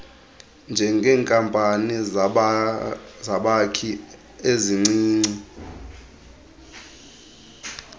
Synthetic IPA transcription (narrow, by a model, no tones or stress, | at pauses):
nd͡ʒʱɛŋɡʱɛːŋkʼampʼani | zaɓakʰi | eziŋ͡ǀiːŋ͡ǀi